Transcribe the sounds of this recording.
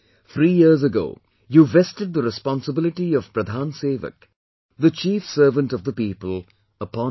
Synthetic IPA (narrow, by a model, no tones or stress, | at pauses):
θʰɾiːjiɾzəɡo̰ː | juvɛstɨd̪̚d̪əɾɪspɔ̃nsəbɪlɪʈiʌv̥pɾəd̪ʱãːnseːʋə̰k | ðət͡ʃiːfsəːvə̃nʈɔvd̪əpiːpəl | əpɔ̃